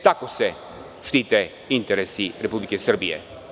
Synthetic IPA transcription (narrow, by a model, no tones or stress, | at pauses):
t̪akosɛ | ʃt̪it̪ɛ | int̪ɛɾɛsiɾɛpublikɛsərbiɛ̰